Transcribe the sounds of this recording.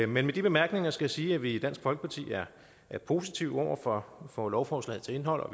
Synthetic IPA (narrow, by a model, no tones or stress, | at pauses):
menmed̥ib̥e̝mæɐɡ̥ne̝ŋɐsɡ̥æjisiːæʋid̥æn̰sɡ̥fɒ̽lɡ̥ə̥pʰɑ̈t͡sʰḭːæɐ | ʔæɐpʰo̝si̥t͡sʰiʊ̰ɒʊ̰ɐfɒfɒ̽lɒʊfɒːslɛ̰ːð̩ˠt͡sʰe̝e̝nɦɒ̽l̰ɒ̽